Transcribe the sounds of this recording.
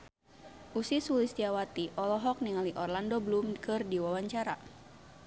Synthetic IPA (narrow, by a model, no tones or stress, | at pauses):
ʔusisulisdiawat̪iʔɔlɔɦɔk̚niŋaliʔɔrlandɔbəlumkʰɨrdiwawaɲt͡ʃaɾa